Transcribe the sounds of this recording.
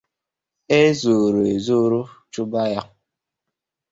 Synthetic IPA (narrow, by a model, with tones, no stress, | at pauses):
e˦zu˨ɾo˨e˨zu˦ɾu˦t͡ʃu˦ba˦ja˦